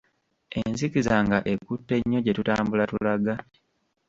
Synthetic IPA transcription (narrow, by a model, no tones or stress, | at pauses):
e̞nzikizaŋɡaʔe̞kutːe̞ɲːo̞ɟe̞tutaːmbulatulaɡa